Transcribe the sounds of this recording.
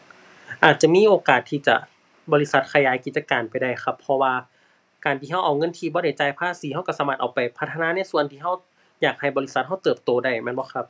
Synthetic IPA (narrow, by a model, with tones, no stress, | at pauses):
ʔaː˨˩t̪̚t͡ɕa˧˨miː˧˥˨ʔoː˨˧kaː˨˩t̪ʰːiː˧˩t͡ɕa̰˧˩ | bɔː˧li˧˥sa˧˦t̪̚kʰa˧jaː˨˧˦jki˨˩t̪̚t͡ɕa˧kaː˨˩npa˨˩jda˧˩jxʰa˧˩pʰːɔ˧waː˧ | kaː˨˩nt̪ʰiː˧ɦa˧˥˨ʔa˨˩wŋɤ˧˥˨nt̪ʰiː˧bɔː˧˦ɾa˥˩jt͡ɕaː˧˩jpʰaː˧˥˨siː˨˦ha˧˥˩wka˧˩saː˧˦maː˧˩t̪ʔa˨˩wpa˨jpʰa˧t̪ʰːa˧naː˧˥˨na˧˥˩su˧˨ənt̪ʰiː˧˩ɦa˧˩w | jaː˨˩k̚ha˨˩jbɔː˧li˦˧˥sa˧˦t̪̚ɦa˧˥˩wt̪ɤː˨˩p̚t̪oː˧˦da˧˩jmɛː˧˥˨nbɔː˧˦kʰa˧p̚